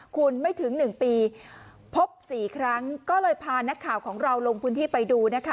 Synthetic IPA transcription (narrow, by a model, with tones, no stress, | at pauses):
kʰu˧nma˥˩jt̪ʰɯ˩˦ŋnɯ˨˩ŋpiː˧ | pʰo˦˥p̚siː˨˩kʰɾa˦˥ŋkɔː˥˩lɤː˧jpʰaː˧na˦˥kʰːaː˨˩wkʰɔː˩˦ŋɾa˧wlo˧ŋpʰɯː˧˥nt̪ʰiː˥˩pa˧jduː˧na˦˥kʰa˦˥